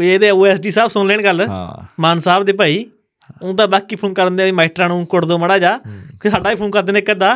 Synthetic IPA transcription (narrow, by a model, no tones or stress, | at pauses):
eːd̪eːuːɛːsɖiːsaːbsʊnleːnɡəl̰maːnsaːbd̪eːp̬aːiː | ʊ̃ːd̪ãːbaːkiːpʰuːnkəɾnd̪eːiːmaːʈɾãːnũːkʊɽd̪oːməɽaːd͡ʒaːsaːɖaːiːpʰuːnkəɾd̪eːneːkːəd̪aː